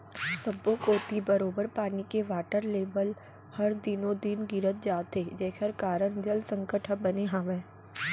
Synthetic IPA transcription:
sɐbokoːt̪ibɐɾoːbəɾpaːnikeʋaːʈəɾleːbəl | hɐɾd̪ɪnõd̪ɪnɡɪɾət̪̚d͡ʒaːt̪ed͡ʒɛːkʰəɾkaːɾəñd͡ʒɐlsə̃ŋkəʈʰəbɐneɦãːʋeː

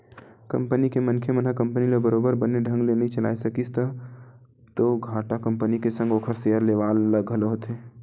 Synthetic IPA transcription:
kə̰̃mpənikemənkʰemənɦakə̃mpəniləbəɾoːbəɾbəneɖʱə̃ŋɡlenĩt͡ʃəla̰ːisəkist̪ə | t̪oɡʱaːʈakə̃mpənikesə̃ŋɡoːkʰəɾsejəɾleʋaːlːəɡʱəloɦot̪ɦe

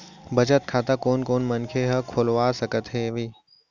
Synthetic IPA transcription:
bɐd͡ʒət̪̚kʰaːt̪akoːnkoːnmɐnkʰeɦɐkʰoːlʋaːsɐkət̪ɦeʋiː

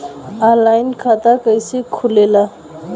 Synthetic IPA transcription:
alajnkʰat̪akəjsekʰulela

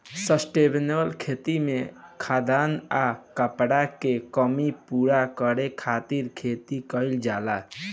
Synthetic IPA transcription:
səsʈebnəlkʰet̪imẽkʰad̪anakəpɽakekəmipuɾakəɾekʰat̪iɾkʰet̪ikəɪld͡ʒala

